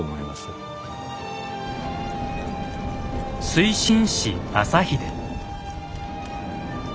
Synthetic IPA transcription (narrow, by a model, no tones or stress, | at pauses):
omoima̰sɨ | sɨiɕĩɰ̃ɕiasaçid̪e